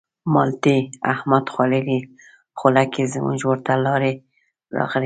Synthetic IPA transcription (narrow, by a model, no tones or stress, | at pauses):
mɑlt̪iahmad̪xwɑleɾi | χʊlakezəmṵʒwoɾt̪alɑɾe | ɾɑ̰ɣli